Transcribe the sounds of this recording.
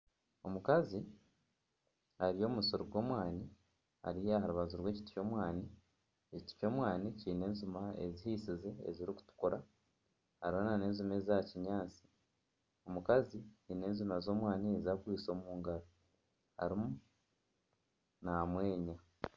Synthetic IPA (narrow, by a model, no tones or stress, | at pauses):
o̞mukazi | aɾijo̞ːmusoɾoɡwo̞ːmwaːni | a̰ɾijeahaɾuβazuɾwe̞ːci̥tu̥co̞ːmwaːni | eci̥ti̥co̞ːmwaːniciːne̞ːnzumaḛzihiːsize̞̰ːziɾiku̥tu̥koɾa | haɾiβonane̞ːnzume̞ːzaciɲaːt͡si̥ | o̞mukaziciːne̞ːnzumazo̞ːmwaːniezakwiːso̞ːmuːŋɡaɾo | ha̰ɾimu | namwe̞ːɲa